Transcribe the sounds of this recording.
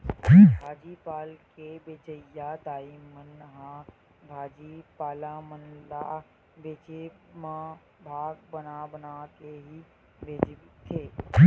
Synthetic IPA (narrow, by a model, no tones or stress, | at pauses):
bʱaːd͡ʒipaːlkebeːd͡ʒəjad̪aːimənɦã | bʱaːd͡ʒiːpaːlamənlaː | beːd͡ʒemã | bʱaːɡbənabənakeɦi | bʱeːd͡ʒt̪ʰeː